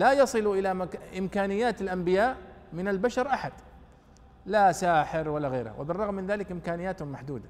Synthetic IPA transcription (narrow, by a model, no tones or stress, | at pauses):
lajɑsˤɨluʔɪlamʔɪmkaːnɪjːaːt̪ɪlʔambɪjaːʔmɪnalbaʃɑɾˤʔaħad̪̥ | lasaːħɪɾwalːaɣeːɾha̰wɪ̰bɪrˤːɑɣmːɪnðaːlɪkʔɪmkaːnɪjːaːt̪hʊmːaħd̪uːd̪a